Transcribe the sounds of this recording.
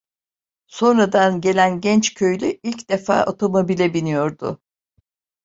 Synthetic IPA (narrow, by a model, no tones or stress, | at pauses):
so̞nɾad̪anɟe̞lʲænɟɛnt͡ʃcʰø̞jlʲyilʲcd̪̥e̞fa̰ːʔo̞t̪ʰo̞mo̞bilʲɛbinijo̞ɾd̪ʊ̰